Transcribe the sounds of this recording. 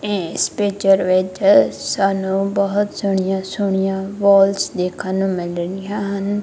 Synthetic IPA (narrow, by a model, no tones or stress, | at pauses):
ẽːspeːd͡ʒəɾʋeːd͡ʒsaːnũːbəɦʊt̪sʊɳ̃ɪjãːsʊɳ̃ɪjãːʋɔːlsd̪eːkʰãːnũːmɪlnɪjãːɦən